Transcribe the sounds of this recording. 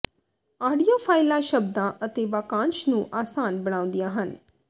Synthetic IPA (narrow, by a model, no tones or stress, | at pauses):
aːɖijoːpʰaːɪlãːʃəb̚d̪ãːʔət̪eːʋaːkãːnʃnũːʔaːsaːnbəɽ̃ãːʊ̃nd̪ijãːɦən